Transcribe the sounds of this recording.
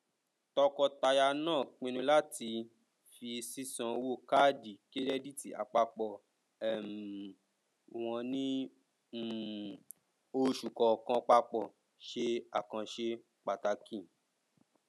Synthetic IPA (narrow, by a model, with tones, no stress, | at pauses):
tɔ˧kɔ˧ta˧ja˧nãː˦˨k͡pĩ˧nũ˧la˦ti˧ | fi˧si˦sã˧wo˦˨ka˦di˨ke˦ɾɛ˦di˦˨tḭ˨a̰˨k͡pa˧k͡pɔ˨ | ɛ˨m˨ | w̃ɔ̃˧nĩ˦˨ | o˧ʃu˨kɔ˨kã˧k͡pa˧k͡pɔ˨ | ʃe˧a˨kã˧ʃe˧ | k͡pa˨ta˧kĩ˦˨